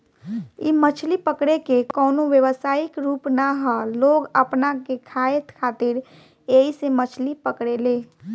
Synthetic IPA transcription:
imət͡ʃʰlipəkɽekekɔːnoʋjəʋəsaːikɾuːpnaɦəloɡəpnakekʰaet̪kʰat̪iɾ | eɦisemət͡ʃʰlipəkɽele

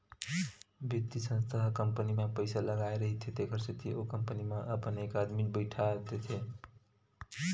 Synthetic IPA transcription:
bjit̪ːisə̃nst̪ʰaɦkəmpənimepəjsaləɡaeɾəɦit̪ʰet̪ekʰəɾsət̪ʰiʔokəmpənimeʔəpənekad̪mibəɪʈʰad̪et̪ʰe

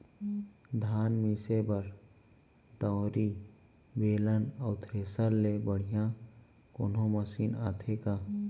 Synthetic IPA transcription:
d̪ʱaːnmisebəɾ | d̪ɔːɾi | beːlənɔːt̪ʰɾeːsəlːebəɽ̤ijã | ko̰ːnõməsiːnaːt̪ʰekaː

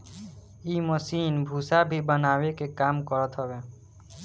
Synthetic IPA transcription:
iːməsiːnbʱuːsabʱibənaːwekekaːmkəɾət̪ɦɔwe

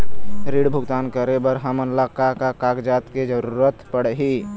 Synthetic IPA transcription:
ɾiɽbʱʊɡt̪aːnkəɾebəɾɦəmənlakakakaɡd͡ʒaːt̪ked͡ʒəɾuːɾət̪pəɽɦi

